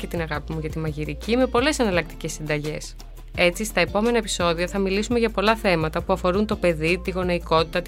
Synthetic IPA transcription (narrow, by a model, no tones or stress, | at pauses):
et̪inɐɣɐpimuʝɐt̪imɐʝiɾicime̞po̞le̞sɐnɐlɐk̚t̪i̥ce̞sːind̪ɐʝe̞̰s | e̞t͡sist̪ɐe̞po̞me̞nɐepi̥so̞ðiɐθɐmilisume̞ʝɐpo̞lɐθe̞mɐt̪ɐpuɐfo̞ɾunt̪o̞pe̞ðit̪iɣo̞noiko̞t̪it̪ɐt̪